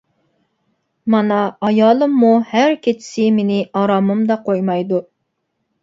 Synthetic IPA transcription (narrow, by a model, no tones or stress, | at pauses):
mɑnɑːjɑːlˠɨmːuhæɾkʲʰet͡ʃʰɪ̥sɪmenɪɑɾɑmɨmd̪ɑqʰojmɑjd̪u